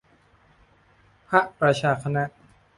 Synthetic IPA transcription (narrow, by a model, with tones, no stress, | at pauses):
pʰa˦˥ʔpɾa˧t͡ɕʰaː˧˩kʰa˧na˦˥ʔ